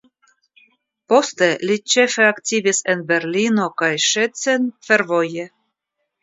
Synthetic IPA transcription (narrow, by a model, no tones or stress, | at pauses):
po̞st̪elit͡ʃe̞feaktʲivisenbe̞ɾlino̞kajʃet͡senfe̞ɾvoje